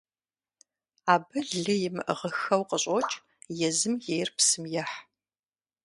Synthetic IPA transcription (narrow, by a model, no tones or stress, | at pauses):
aːbɐɮɨjɪmɨʔʁəxɐwqəɕʼot͡ʃʼ | jɛzɨmjejrpsɨmjɐħ